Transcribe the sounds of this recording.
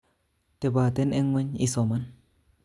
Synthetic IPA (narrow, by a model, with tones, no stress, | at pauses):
te˨ba˨t̪e˦ne˦ŋwe˦ɲi˦so˨ma˦n